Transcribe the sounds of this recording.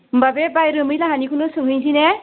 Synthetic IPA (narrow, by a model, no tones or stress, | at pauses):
mbabebajɾɯmɯjlaɦanikʰɯnɯsɯŋɦɯjzine